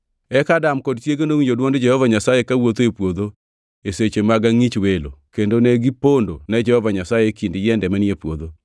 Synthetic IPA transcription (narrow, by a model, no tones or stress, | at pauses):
ɛkadamkɔdtjeɡendoŋid͡ʒodwɔndd͡ʒɛhɔvaɲasajekawot̪oepwod̪o | eset͡ʃemaɡaŋit͡ʃwelo̰kendoneɡipondonɛd͡ʒɛhɔvaɲasajekindɪjɛndɛmanjepwod̪o